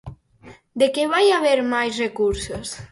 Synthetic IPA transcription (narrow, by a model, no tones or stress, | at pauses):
d̪ekeβajaβeɾmajsrekuɾsos